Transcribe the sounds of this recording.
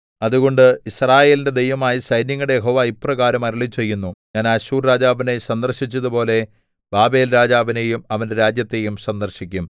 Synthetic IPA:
ɐðuɣo̞ɳɖɨisraːje̞ːlinde̞d̪e̞jʋɐmaːjisɐjnjɐŋːɐɽe̞jeɦo̞ːʋaːiprɐɣaːɾɐmɐɾiɭit͡ɕːe̞jːunːuɲaːnaːɕuːrɾaːd͡ʑaːʋine̞sɐnd̪ɐrɕit͡ɕːɐðupo̞ːle̞ | b̥aːbe̞ːlɾaːd͡ʑaːʋine̞jumɐʋɐnde̞ɾaːd͡ʑjɐt̪ːe̞jumsɐnd̪ɐrɕikʲːum

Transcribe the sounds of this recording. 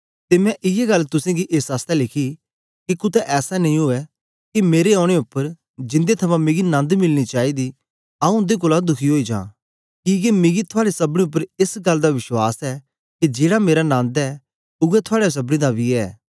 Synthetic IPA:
t̪emɛ̃ʔɪjeɡɐlːt̪ʊsẽɡiʔesaːst̪ɛlɪkʰi | kikʊt̪ɛʔɛːsanɐĩɦoɛ | kimeːɾeɔːɽ̃eʊpːəɾ | d͡ʒɪ̃nd̪et̪ʰɐmãmẽɡinɐ̃nd̪mɪlñit͡ʃaːid̪i | aːũnd̪ek̬ʊːlad̪ʊkʰiɦoːid͡ʒã̰ː | kiɡemɪ̃ɡit̪ʰʊaːɽesɐbɽ̃iʊp̬ːəɾɪsɡɐld̪aʋɪʃwa̰ːsɛ | kid͡ʒeːɽameːɾanãːnd̪ɛː | ʊɡɛt̪ʰʊaːɽes̬ɐbɽ̃ĩd̪abiɛː

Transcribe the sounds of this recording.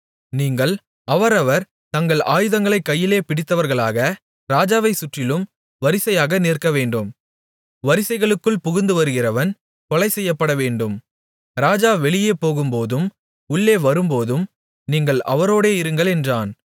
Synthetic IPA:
niːŋɡɐɭ | ɐʋɐɾɐʋɐɾ | t̪ɐŋɡɐɭaːjɯðɐŋɡɐɭɐɪkːɐjːɪleːpɪɽɪt̪ːɐʋɐɾɣɐɭaːɣɐ | ɾaːd͡ʒaːʋɐɪsʊʈrɪlɯm | ʋɐɾɪsɐjaːɣɐneːrkɐʋeːɳɖɯm | ʋɐɾɪsɐɪɣɐɭɯkːɯɭpʊɣɪnd̪ɯʋɐɾɯɣɪrɐʋɐn | kɔɭɐɪsɛjːɐpːɐɽɐʋeːɳɖɯm | ɾaːd͡ʒaːʋɛɭɪjeːpoːɣɯmpoːðɯm | ʊɭːeːʋɐɾɯmpoːðɯm | niːŋɡɐɭʔɐ̰ʋɐɾoːɽeːɪɾɯŋɡɐɭɛndraːn

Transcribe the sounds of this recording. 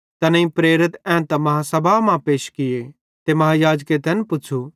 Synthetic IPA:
t̪ɐnĩpɾeːɾɪt̪ɛ̃t̪ɐmɐɦasɐbʱamãpeːʃkɪje | t̪emɐɦajaːd͡ʒket̪ɛnpʊːt͡ʃʰu

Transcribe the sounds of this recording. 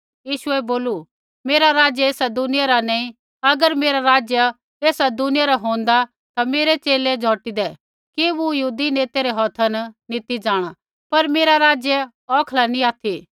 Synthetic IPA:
jiːʃʊɛboːlu | meːɾaɾaːd͡ʒjəeːsad̪ʊnɪjaɾanaːĩ | ɐɡəɾmeːɾaɾaːd͡ʒja | eːsad̪ʊnɪjaɾaɦõːnd̪a | t̪ameːɾet͡ʃeːlɛd͡ʒʱɔːʈid̪ɛ | kiʋujɐɦuːd̪ineːt̪eɾeɦɔːt̪ʰənnit̪id͡ʒãːɽ̃a | pɐɾmeːɾaɾaːd͡ʒjɛ | ɔːkʰlanĩaːt̪ʰiː

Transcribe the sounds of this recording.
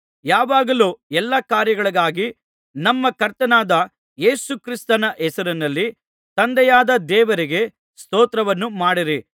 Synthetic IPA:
jaːʋaːɡɐluːɛlːɐkaːɾjɐɡɐɭɐɡaːɡi | nɐmːɐkɐɾt̪ɐnaːd̪ɐ | je̞ːsukɾist̪ɐnɐʔɛsɐɾinɐlːi | t̪ɐnd̪ɛjaːd̪ɐd̪ɛːʋɐɾiɡe̞ | st̪oːt̪ɾɐʋɐnːumaːɽiɾi

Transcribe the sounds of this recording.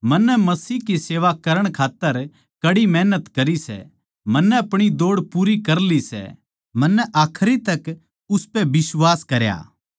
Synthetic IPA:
mɐnːɛmɐsiːɦkiseːʋakɐɾəɽ̃kʰaːt̪ːəɾ | kɐɽimɛːnət̪kɐɾisɛ̰ | mɐnːɛɐpɽ̃id̪oːɽpuːɾikɐɾlisɛ̰ | mɐnːɛʔaːkʰɾit̪ɐk | ʊspɛbɪswaːskɐɾja̰ː

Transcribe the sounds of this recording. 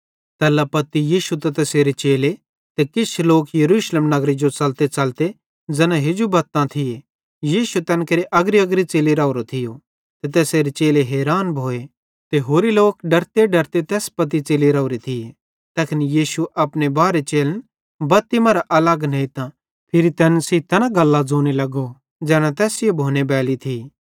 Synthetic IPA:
t̪ɛːlːapɐt̪ijiːʃut̪ɐt̪ɛːseːɾet͡ʃeːle | t̪ekɪt͡ʃʰloːkjɐɾuːʃleːmnɐɡɾid͡ʒot͡sɐlt̪et͡sɐlt̪e | d͡zɛːnãɦed͡ʒobɐt̪ːãt̪ʰɪje | jiːʃut̪ɛːnkɐɾiʔɐɡɾiɐɡɾit͡seːliɾaoɾot̪ʰɪjo | t̪et̪̬ɛːseːɾet͡ʃeːleɦɛːɾaːnbʱoːe | t̪eɦoːɾiloːkɖɐɾt̪eɖɐɾt̪et̪ɛːspɐt̪̬it͡seːliɾɐɾit̪ʰɪje | t̪ɛːkɪnjiːʃuʔɐpnebaːɾet͡ʃeːlən | bɐt̪ːɪmãɾaʔɐlɐɡnɐ̃ɪt̪ã | pʰɪɾit̪ɛːnsit̪ɛːnãɡɐlːad͡zoːnelɐɡo | d͡zɛːnãt̪ɛːsɪjobʱoːnebɛːlit̪ʰi

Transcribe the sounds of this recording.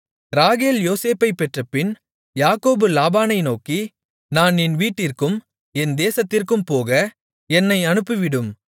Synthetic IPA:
ɾaːɣeːljoːseːpːɐɪpːɛʈrɐpːɪn | jaːkoːbɯlaːbaːnɐɪnoːki | naːnɪnʋiːʈːɪrkɯm | ɛnd̪eːsɐt̪ːɪrkɯmpoːɣɐ | ɛnːɐɪɐnɯpːɯʋɪɽɯm

